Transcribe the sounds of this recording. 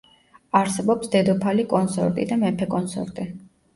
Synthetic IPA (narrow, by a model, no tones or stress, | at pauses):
aɾsɛbɔpsd̪ɛd̪ɔpʰalikʼɔnsɔ̰ɾt̪ʼḭd̪amɛpʰɛkʼɔnsɔ̰ɾt̪ʼi